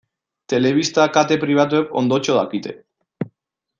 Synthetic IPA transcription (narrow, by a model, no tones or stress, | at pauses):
t̪eleβ̞ist̪akat̪epɾiβ̞at̪̬wepo̰nd̪ot͡ʃoða̰kit̪ḛ